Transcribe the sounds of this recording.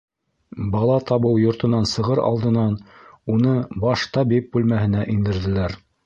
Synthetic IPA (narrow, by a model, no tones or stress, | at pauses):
bɑlˠɑt̪ɑβɤwjŏɾt̪ɤ̆nɑnsɤ̆ʁɤɾɑ̰lˠd̪ɤ̆nɑnunɤbɑʃt̪ɑbip̚bʉlmæhɘ̆næʔind̪ɘ̆ɾðɘ̆læɾ